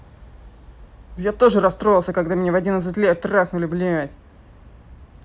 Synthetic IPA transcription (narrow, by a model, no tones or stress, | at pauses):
jat̪o̞ʐɨɾɐst̪ɾo̞jlˠsʲəkɐɡd̪amʲnʲevɐdʲinət̪sɨtʲlʲet̪raxnʊlʲɪblʲɪjatʲ